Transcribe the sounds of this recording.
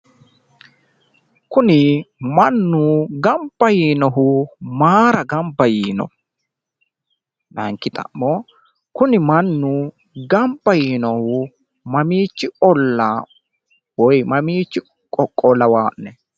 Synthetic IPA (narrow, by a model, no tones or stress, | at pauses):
kʊnɪmɐnːʊɡɐmbːɐjiːnɔɦʊmaːɾɐɡɐmbɐjiːnɔ̰ | nɐ̰ŋkːɪt̪ʼɐ̰mːɔ | kʊnɪmɐnːʊ | ɡɐmbɐjiːnɔhʊ | mɐmiːt͡ʃːɪʔɔlːɐ | wɔjmɐmiːt͡ʃːɪ | kʼɔkʼːɔlɐwaːʔnɛ